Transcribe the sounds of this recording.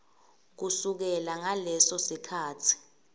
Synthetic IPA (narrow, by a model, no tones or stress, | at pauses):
k̬usuk̬ɛlaŋalɛsɔsikʰaːtʰi̥